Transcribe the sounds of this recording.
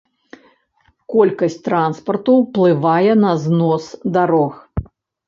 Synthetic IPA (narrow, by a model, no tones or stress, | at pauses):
kɔlʲkɐsʲt͡sʲt̪ɾanspɐrt̪uwplˠɨvajɛnɐznɔsd̪aɾɔx